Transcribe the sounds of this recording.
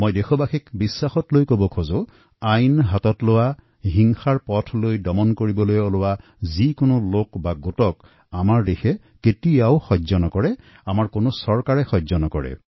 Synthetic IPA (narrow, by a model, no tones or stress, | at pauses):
mojdexʰɔbaxikbisːaxɔtlojkobɔkʰozʊ | ajnɦatɔtlʊwa | ɦiŋxaɹpɔtʰlojdɔmɔnkoɹibɔlojɔlʊwa | zikonʊlokbaɡotɔk | amaɹdexʰɛ | ketijaʊxɔzɔnɔkɔɹɛ | amaɹkonʊsɔɹkaɹɛxɔzɔnɔkɔɹɛ̰